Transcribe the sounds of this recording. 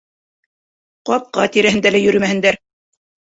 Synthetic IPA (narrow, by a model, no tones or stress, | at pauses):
qɑp̚qɑt̪iɾæhɘ̆nd̪ælæjɵ̆ɾɘmæhɘ̆nd̪æɾ